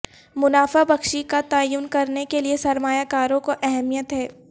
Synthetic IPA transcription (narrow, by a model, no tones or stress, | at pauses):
mʊnaːfabɐkʃikat̪aːjʊnkɐɾnekeliesɐɾmaːjakaːɾõkoʔɛɦɛmijət̪ɦɛː